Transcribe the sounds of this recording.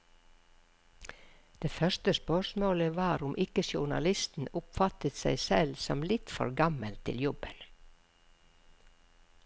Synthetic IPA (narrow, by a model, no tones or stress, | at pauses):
d̪̥eːfœʃt̪əspœʃmoːləʋɑːɾʊmʔɪkəsʊɳɑ̰lɪst̪n̩ʊpfɑt̪ət̪sæɪsɛlsɔ̰mlɪt̪fɔ̰ɾɡɑməlt̪ʰtɪ̰ljɔbən